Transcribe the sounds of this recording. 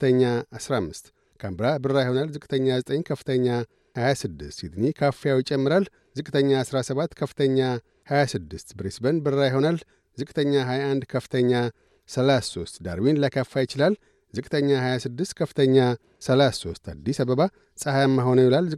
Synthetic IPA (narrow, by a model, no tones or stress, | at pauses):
t̪ʰəɲːaasɾamːɨst̪ | kʰambɾabɨrːajɪho̞nalzɨkʼt̪ʰəɲːazət̪ʼəɲkʰəfɨ̥t̪ʰəɲːa | hajasɨd̪ːɨst̪ːid̪nekʰafjawjɪt͡ʃʼːɛmːɨɾal | zɨkʼɨt̪ʰəɲːaːsɾasəβat̪ːkʰəfɨt̪ʰəɲːa | hajasɨd̪ːɨst̪bɨɾesbənbɨrːajɪho̞nal | zɨkʼt̪ʰəɲːaɦajaand̪kʰəfɨt̪ʰəɲːa | səlasso̞st̪d̪a̰ɾbinlakʰafːajɪt͡ʃɪlal | zɨkʼt̪ʰəɲːahajasɨd̪ːɨst̪kʰəfɨ̥t̪ʰəɲːa | səlasso̞st̪ad̪ːisaβəβa | sʼəhajamːaɦo̞njɛlalzɨ